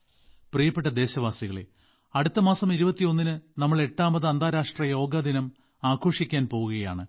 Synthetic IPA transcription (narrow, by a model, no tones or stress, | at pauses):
prijɐpːeʈːɐd̪e̞ːɕɐʋaːsiɣɐɭḛ | ɐɽut̪ːɐmaːsɐmiɾubɐt̪ːijo̞nːinɨnɐmːɐɭe̞ʈːaːmbɐðɨɐnd̪ʱaːɾaːʂʈrɐjo̞ːɡɐd̪inɐm | aːkʰo̞ːʂikʲːaːnpo̞ːɣuɣɐja̰ːɳɨ